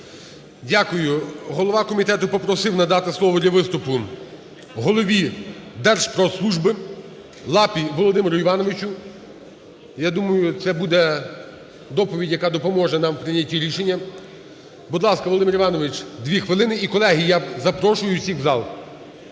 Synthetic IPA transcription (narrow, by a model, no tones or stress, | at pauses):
dʲakʊjʊɦɔlˠɔʋɑkɔmʲit̪ɛt̪ʊpɔpɾɔsɪwnɐd̪ɑt̪ɪslˠɔʋɔd̪lʲɐʋɪst̪ʊpʊ | ɦɔlˠɔʋʲid̪ɛrʃpɾɔslˠuʒbɪ | lˠɑpʲiʋɔlˠɔd̪ɪmɪɾʊiʋɑnɔʋɪt͡ʃʊ | jad̪umɐjʊt̪sɛbud̪ɛ | d̪ɔpɔʋʲidʲjɐkɑd̪ɔpɔmɔʒɛnɑmpɾɪnʲatʲːiɾʲiʃenʲːɐ | bud̪lˠɑskɐɔlˠd̪ɪmɪɾiʋɑnɔʋɪt͡ʃd̪ʋʲixʋɪlˠɪnɪikɔlˠɛɦijjazɐpɾɔʃʊjʊsʲixzɑlˠ